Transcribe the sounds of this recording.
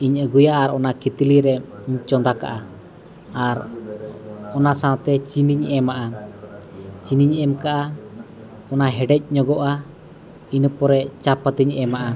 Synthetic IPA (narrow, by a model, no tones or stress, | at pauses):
iɲəɡujaʔːɾɔnakit̪iliɾɛ | ɲt͡ʃɔnd̪aka̰ʔa | aɾ | ɔnasawt̪ɛt͡ʃiniɲɛmaʔa | t͡ʃiniɲɛmkaʔa | ɔnaɦɛɖɛc̚ˀɲɔɡɔʔa | inəpɔɾɛt͡ʃapat̪iɲɛmaʔa